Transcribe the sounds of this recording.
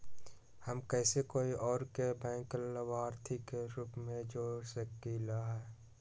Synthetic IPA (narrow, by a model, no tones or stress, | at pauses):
həmkɛːsekoːiʔɔːɾkebɛ̃ːŋkləʋaːɾt̪ʰikeɾuːpmẽd͡ʒoːɾsəkilaɦɛː